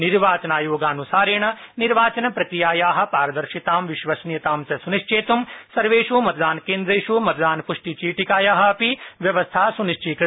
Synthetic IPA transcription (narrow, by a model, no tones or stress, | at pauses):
niɾʋaːt͡ʃɐnaːjoːɡaːnusaːɾeːɳɐniɾʋaːt͡ʃɐnɐpɾɐt̪ijaːjaːɦɐ̆paːɾɐd̪ɐɾʃit̪aːmʋiʃʋɐsnjɐt̪aːmsɐsuniʂt͡ʃʰeːt̪umsɐɾʋeːʃumɐt̪̚d̪aːnkeːnd̪ɾeːʃumɐt̪d̪aːnpuʂʈit͡ʃiːʈikaːjaːɦɐ̆ɐpiʋjɐʋɐst̪ʰaːsuniʃt͡ʃikɾ